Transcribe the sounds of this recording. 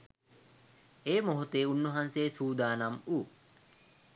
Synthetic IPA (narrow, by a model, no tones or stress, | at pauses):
eːmoɦut̪eːunːoɦanseːsuːd̪aːnamu